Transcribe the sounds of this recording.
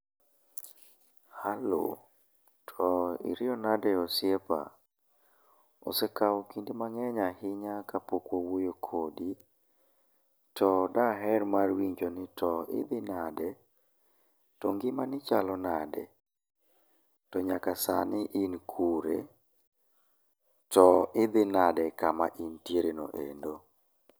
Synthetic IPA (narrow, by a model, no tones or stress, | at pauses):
halo̰ | tʰɔɪ̰ɾɪɔnadɛosjepa̰ | o̰sɛkawɔkindimaŋɛɲahɪɲakapokwowojokʰodi | tʰɔdaɦɛrmarwiɲd͡ʒonɪtʰɔɪ̰d̪ɪnadɛ | tɔŋɡɪmanɪt͡ʃalɔnadɛ̰ | tɔɲakasa̰nɪʔɪnkʰuɾḛ | tɔʔɪd̪ɪnadɛkama̰ʔintjeɾeno̰ʔḛndo